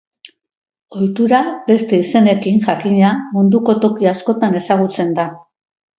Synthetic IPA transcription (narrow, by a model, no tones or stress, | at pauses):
o̞jt̪uɾabe̞st̪e̞ise̞ne̞kiŋʝakiɲamund̪uko̞t̪o̞kiasko̞t̪ane̞saɣ̞ut͡se̞nd̪a